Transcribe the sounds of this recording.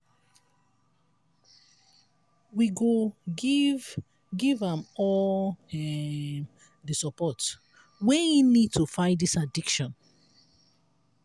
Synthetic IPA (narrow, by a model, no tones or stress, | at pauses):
wiɡo | v | ɡivãmɔ | ɛ | ðəsɔpɔt | wɛjinid̚tʰufãɪdisadikʃɔ̃n